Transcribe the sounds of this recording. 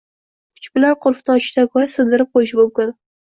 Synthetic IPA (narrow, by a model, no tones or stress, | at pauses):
kʰʊ̥t͡ʃbɪlanqʰʊɾfnɒt͡ʃɪ̥ʃt̪akʰoɾasɨnd̪ɪɾɪp̚qojɪʃɪbʊmkʲʊn